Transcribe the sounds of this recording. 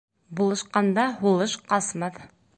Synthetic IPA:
bolˠəʃqɑnd̪ɑholˠɤʃqʰɑsmɑd̪

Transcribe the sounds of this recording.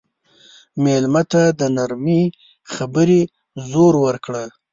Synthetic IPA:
melmat̪ad̪ənaɾmi | xabəɾe | zoɾwəɾkɽa

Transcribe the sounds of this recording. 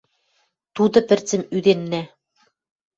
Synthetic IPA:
t̪ud̪ɤ̆pɘ̆rt͡sɘ̆myd̪enːæ

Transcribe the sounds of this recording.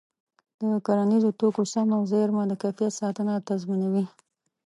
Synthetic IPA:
d̪̥əkaɾanizot̪okosamawzeɾmad̪əkafjesɑt̪ənat̪azmunawi

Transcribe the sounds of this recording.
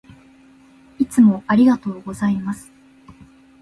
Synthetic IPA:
it͡sɨmo̞ʔaɾʲiɡat̪o̞ːɡo̞zaimasɨ̥

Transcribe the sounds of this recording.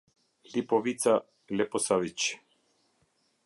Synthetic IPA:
lipovit̪t͡s̪a | lɛposavit͡ʃ

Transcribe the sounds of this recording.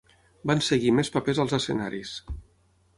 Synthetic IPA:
bansəɣimespəpezəlˠzəsə̰naɾis

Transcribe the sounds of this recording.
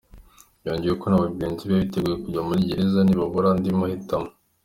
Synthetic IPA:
joːɲɟijeko̞naβabɡiːnziβaβite̞ɡujekuɟamuɾiɟeɾezaniβaβoɾandimahitamo

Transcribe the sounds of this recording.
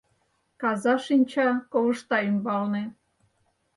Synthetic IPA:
kɑzɑʃinʲt͡ɕɑkoβəʃt̪ɑymbɑlne

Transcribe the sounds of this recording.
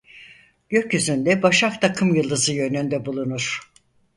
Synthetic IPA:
ɟ̥ø̞cjyzynd̪ɛbaʃak̚t̪ʰakʰɯmjɯlˠd̪ɯzɯjø̞nynd̪ɛbulˠunuɾ̥

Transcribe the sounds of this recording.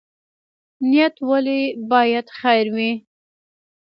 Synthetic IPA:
nijat̪walebɑjad̪xajɾwi

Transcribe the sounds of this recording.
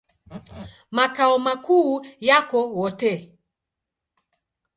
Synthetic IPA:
makaɔmakuːjakɔwɔtɛ

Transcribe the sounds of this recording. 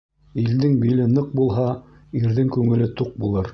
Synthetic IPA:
ild̪ɘŋbilɘnɤq̚bulˠɦɑ | iɾðɘŋkʉŋɘ̆lɘt̪uq̚bulˠɤɾ

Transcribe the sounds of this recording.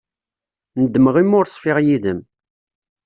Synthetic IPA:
nəd̪ːməʁimːʊɾsˤfɪʁjiðəm

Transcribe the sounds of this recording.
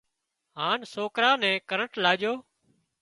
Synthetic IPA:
ɦaːnsoːkɾaːnɛ̃ːkəɾəɳʈlaːd͡ʒjoː

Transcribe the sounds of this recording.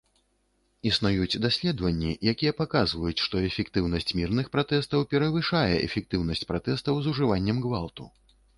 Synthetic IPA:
isnujut͡sʲd̪asʲlʲɛd̪vɐnʲːijakʲijɛpakazvɐjut͡sʲʂt̪ɔɛfʲɛkt̪ɨwnɐsʲt͡sʲmʲirnɨxpɾat̪ɛst̪ɐwpʲɛɾɐvɨʂajɛɛ̰fʲɛk̚t̪ɨwn̪ɐsʲt͡sʲpɾat̪ɛst̪ɐwzuʐɨvanʲːɛmɡvalˠt̪u

